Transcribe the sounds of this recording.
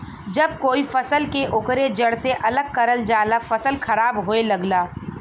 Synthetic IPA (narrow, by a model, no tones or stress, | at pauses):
d͡ʒɐb̚koːifɐsəlkeʔʊkɾed͡ʒɐɽseʔɐləɡ̚kɐɾəld͡ʒaːlafɐsəlxɐɾaːbɦoelɐɡlaː